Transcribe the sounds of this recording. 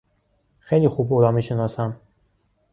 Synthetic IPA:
xejliːxubolɒːmiːʃenɒːsæm

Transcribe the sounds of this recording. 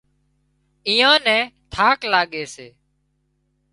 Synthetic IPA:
iːãːnɛ̃ːt̪ʰaːklaːɠeːseː

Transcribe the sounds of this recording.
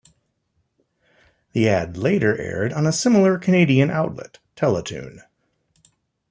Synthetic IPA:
ðiædˡleɪɾə˞ʔɛ̰ɹɾn̩əsɪ̃ml̩ˠə˞kʰɨneɪɾiɨ̃na̰ʊtˡlɪ̰tʰɛlˠətʰʉ̰̃n

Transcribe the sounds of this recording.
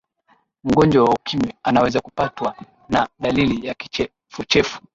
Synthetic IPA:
m̩ɡɔnd͡ʒwawaukʰimɛanawɛzakupatwa | naɗalilijaki̥ɛ | fut͡ʃɛfu̥

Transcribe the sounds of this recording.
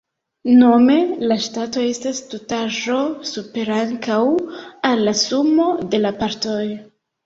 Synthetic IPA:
no̞me̞laʃtato̞e̞stastotaʒo̞supe̞ɾaŋkawalːasumo̞de̞lapaɾtoj

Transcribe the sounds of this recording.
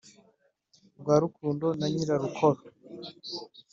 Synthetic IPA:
bɡwaːɾukʰuːndo̞naɲiɾaɾukʰoɾo

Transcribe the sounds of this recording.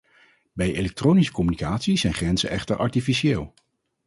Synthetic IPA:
bɛjelɛk̚trownisə̥kɔmynikaːtsizɛjnχrɛnzə̰ʔɛχtəɹʔɑ̰ɹtifisieːlˠ

